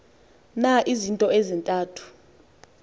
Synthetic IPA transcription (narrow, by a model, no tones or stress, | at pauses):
naʔizintʼɔezintʼaːtʰu̥